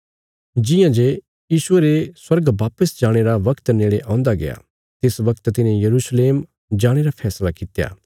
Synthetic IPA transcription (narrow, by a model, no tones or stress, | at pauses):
d͡ʒɪjãd͡ʒe | jiːʃʊeɾeswɐɾɡʋaːpəsd͡ʒaːɽ̃eɾaʋɐkt̪neːɽeʔãʊ̃nd̪aɡḛa̰ | t̪ɪsʋɐkt̪t̪ɪnẽjɐɾuːʃleːm | d͡ʒaːɽ̃eɾapʰɛːslakɪt̪ja̰ː